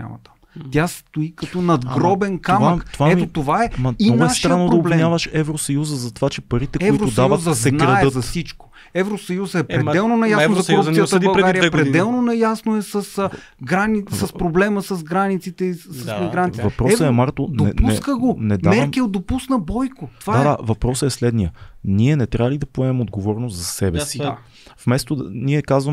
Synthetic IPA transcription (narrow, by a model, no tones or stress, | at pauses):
a̰mɐ̰t̪amt̪ʲjast̪oikɐt̪onɐd̪ɡɾɔbɛnkamək̪vaɛt̪ot̪ovaɛniɔnɡʊɛasʃt̪ɾaɐnːodɾoblɛmɲʲavɐʃɛvɾosɐjuzəzɐt̪ovat͡ʃɛpɐɾit̪ɛkɛʊiɾoʊd̪avvəuzəsɛnɡɾaɐɛətzɐsit͡ʃko̥ | ɛvɾosɐjuzəɛɾɛd̪ɛlˠnonɐjasozɐtoɾup̪ijəvbɐlˠɾɛɡaɾijəɡpɾɾɛid̪ɛlˠnonɐjasnoɛsɐs | ɡɾanisɐspɾoblɛməsɐzɡɾanit̪sit̪ɛisɐsmiɡɾant̪ivɐpɾɔsəɛmaɾt̪odnoɛuɛskəɡonɛd̪amɛɾmkiod̪opusnəbɔjkot̪ovadad̪avɐpɾɔsɛslɛd̪nijəniɛnɛt̪ɾʲavɐlid̪ɐpoɛmɛmod̪ɡovɔɾnost̪zɐsɛbɛsi | fmɛst̪od̪niɛkazvəm